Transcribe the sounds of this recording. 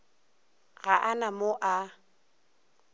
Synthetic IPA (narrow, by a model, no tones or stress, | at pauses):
ɣaʔanamoʔa